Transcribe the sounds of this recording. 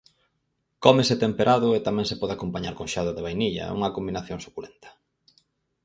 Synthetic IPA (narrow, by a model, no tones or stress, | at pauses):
kɔmeset̪empeɾʔaðʊet̪amɛ̃ŋsepɔðeakompaɲaɾkoŋʃaðoðeβ̞ajniʎɐ̰ṵŋɐkombinaθjoŋso̥kulent̪ʰɐ̥